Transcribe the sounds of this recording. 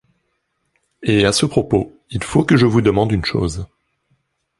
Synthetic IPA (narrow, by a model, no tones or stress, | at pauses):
easəpχɔpo | ilfokəʒəvud̪əmɑ̃d̪ynʃo̰z